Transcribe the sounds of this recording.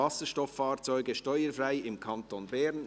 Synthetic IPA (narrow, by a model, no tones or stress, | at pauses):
ɑsəʃtɔfːɑːɾt͡sɔʏɡəʃtɔʏəɾfɾaɪɪmkʰɑntoːnbɛɾn